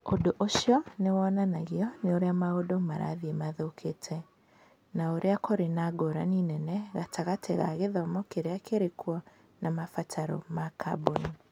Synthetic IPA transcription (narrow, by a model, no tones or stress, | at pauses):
odoʔoʃjɔnewɔnanaɣiɔneoɾeamaodomaɾa̰ðiemaðokʰetʰɛ | naoɾʔeakoɾenaɡoɾaninɛnɛɣatʰaɣatʰɛ̰ɣa̰ɣeðɔmɔkeɾeakeɾekwɔ | namafatʰaɾɔ̰makʰa̰boni